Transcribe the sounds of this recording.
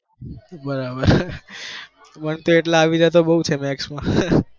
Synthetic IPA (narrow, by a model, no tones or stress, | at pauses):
bəɾabəɾ | pəɳt̪oeʈlaːʋid͡ʒat̪obəɦut͡ʃʰemɛksmã